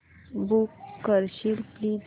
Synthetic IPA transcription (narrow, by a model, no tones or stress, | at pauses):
bukːəɾɕilplid